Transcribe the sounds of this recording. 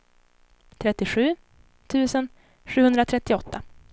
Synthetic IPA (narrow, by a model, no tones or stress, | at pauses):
t̪ʰɾɛt̪ːɪɧʉ̟ː | t̪ʰʉ̟ːsən | ɧʉ̟ːhɵnd̪ɾat̪ʰɾɛt̪ːɪɔt̪ːa